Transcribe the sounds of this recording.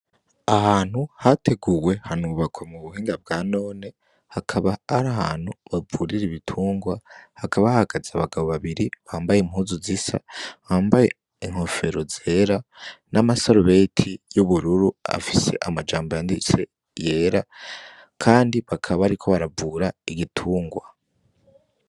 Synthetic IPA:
ahaːn̥huhate̞ɡuwe̞hanuβakwamuβuhiːŋɡab̚ɡaːno̞ːne̞ | hakʰaβaaɾaha̰ːn̥huβavuɾiɾiβitʰuːŋɡwahakaβahaɡazaβaɡaβo̞βaβiɾiβaːmbajemhuːzuzisa̰aːmbaje̞ | iŋ̥ho̞fe̞ɾozeɾanʔamasoɾuβetʰijuβuɾuɾua̰fise̞̰ʔamad͡ʒaːmbojandit͡se | je̞ːɾa | kʰaːndiβakʰaβaɾikʰo̞βaɾavuːɾaiɡitʰuːŋɡwa

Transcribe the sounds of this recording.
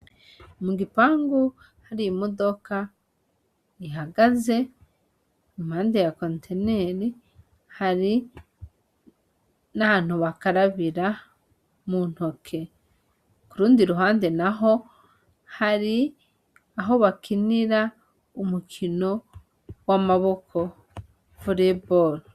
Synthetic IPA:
muɡipaːŋɡu | haɾiimodo̞ka | iɦaɡaze̞ | imhaːnde̞jakontʰeneɾi | haɾi | nahan̥huβakaɾaβiɾa | mun̥ho̞kʰe̞ | kuɾuːndiɾuɦaːnde̞naɦo̞ | haɾi | aɦo̞βakiniɾa | umukʰino̞ | wamaβo̞kʰo̞ | fuɾebol

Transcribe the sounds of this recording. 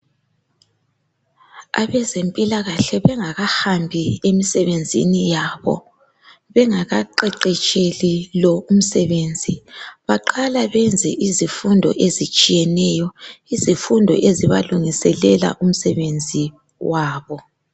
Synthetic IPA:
a̰βɛzempʼilaɣaɬɛβɛŋaɣahambʱiemisɛβend͡zʱḭnijaβɔ̰ | βɛŋaɣaǃɛǃɛt͡ʃʼelilɔum̩sɛβend͡zʱiβaǃalaβɛnd͡zʱɛʔizifundʱɔ̰ʔezit͡ʃʼijɛnɛjɔizifundʱɔ̰ʔeziβaluŋisɛlɛla̰ʔum̩sɛβend͡zʱi | wʔaːβɔ

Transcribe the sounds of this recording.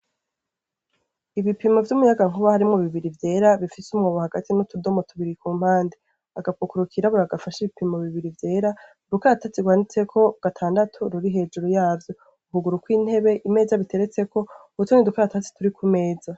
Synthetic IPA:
iβipimovjumujaɡaŋ̥uβahaɾimŋoβiβiɾivje̞ːɾaβifisumŋoːβohaɡatʰinotudo̞motʰuβiɾikuːm̥haːnde | aɡapukuɾukʰiɾaβuɾaɡafaʃiβipimoβiβiɾivje̞ːɾa | dukaɾatat͡siɡwaːnit͡se̞kʰo̞ɡ̥atʰaːndatʰuɾuɾiɦe̞ːd͡ʒuɾujaːvjo̞ | uɦuɡuɾukwiːn̥he̞βe̞ʔime̞ːzaβitʰe̞ɾe̞t͡se̞kʰo̞ | ut͡ʃonidukaɾatat͡si̥tuɾikume̞ːza

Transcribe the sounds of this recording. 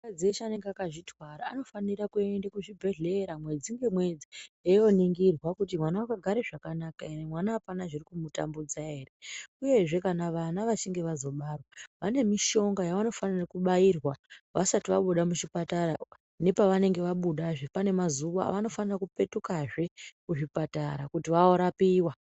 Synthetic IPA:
mkad͡ziet͡ʃane̞ŋɡeakaʐitwaɾaano̞fanirakue̞ndakuʐibʱe̞ɮe̞ɾamwe̞d͡ziŋɡe̞mwe̞d͡ziejo̞niŋɡirwakutimwanawakaɡʱaɾeʐakanakaeemwanaɦːpanaʐirikumuta̰mbud͡zaɦe̞ːreuje̞ʐe̞kanaʋanaʋat͡ʃiŋɡe̞ʋazo̞ɓarwaʋane̞miʃo̞ŋɡajaʋano̞fanirakuɓairwaʋa̰satiʋaɓuɗamut͡ʃipatara | ne̞paʋane̞ŋɡe̞ʋaɓuɗaʐepane̞mazuʋa̰ʋano̞fanirakupe̞tukaʐe̞kuʐipataɾakutiʋaoɾapiːwa

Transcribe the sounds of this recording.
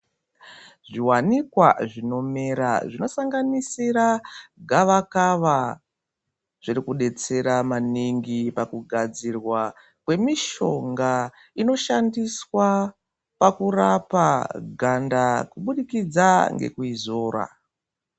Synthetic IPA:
ʐiwanikwa̰ʐino̞me̞ɾa̰ʐino̞saŋɡanisiɾaɡʱaʋakaʋa | ʐ̥irikuɗe̞t͡se̞ɾamaniŋɡipakuɡʱad͡zirwa | kwe̞miʃo̞ŋɡa | ino̞ʃandiswa | pakurapaɡʱandakuɓuɗikid͡zaŋɡe̞̰kuizo̞ːɾa̰

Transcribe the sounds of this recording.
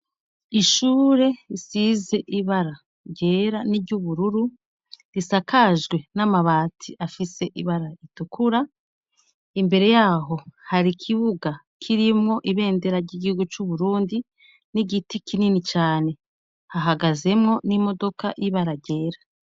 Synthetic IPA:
iʃuːɾe̞isize̞ʔiβaɾa | ɾɟe̞ːɾaniɾɟuβuɾuɾu | ɾisakaʒɡwe̞namaβaːtʰiʔafise̞ʔiβaɾaitukuɾa | imbe̞ɾe̞jaːɦo̞haɾikʰiβuɡa | kʰiɾimŋo̞ʔiβe̞ːnde̞ɾaɾɟiɟihuɡut͡ʃuβuɾuːndi | niɟitikʰininit͡ʃaːne̞ | haɦaɡaze̞mŋo̞nimo̞do̞kaʔiβaɾaɾɟe̞ːɾa

